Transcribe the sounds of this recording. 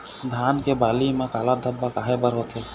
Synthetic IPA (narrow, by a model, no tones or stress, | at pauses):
d̪ʱaːnkebaːliːmãkaːlad̪ʱəbːakaːɦebəɾɦot̪ʰe